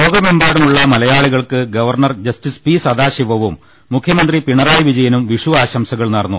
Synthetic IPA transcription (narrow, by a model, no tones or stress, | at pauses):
oːɡɐme̞mbaːɽumuɭːɐmɐlɐjaːɭiɣɐɭkɨɡɐʋɐrɳɐrd͡ʑɐstispiːsɐd̪aːɕiʋɐʋumː | ukʰjɐmɐnd̪ripiɳɐraːjʋid͡ʑɐjɐnumʋiʂuaːɕɐmsɐɣɐɭnɐɽɐnːṵ